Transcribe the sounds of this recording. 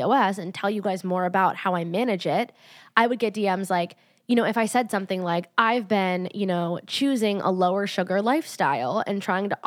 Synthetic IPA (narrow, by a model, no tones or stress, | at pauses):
oʊɛsɨ̃ntʰɛlˠjɨɡaɪzmɔɹɨbaʊt̚haʊaɪmæñɨd͡ʒɪt̚ | ʔaɪwɨd̚ɡɛt̚d̥iɛ̃mzlaɪk | jɨñoʊɨfaɪsɛd̥sʌ̃mθɪ̃ŋlaɪkʔaɪvbɪ̃njɨnoʊt͡ʃʰʉzɪ̃ŋʔə̰loʊə˞ʃʊɡə˞laɪfstaɪlˠɨ̰̃ntʰɹ̥aɪɪ̃ŋtəʔ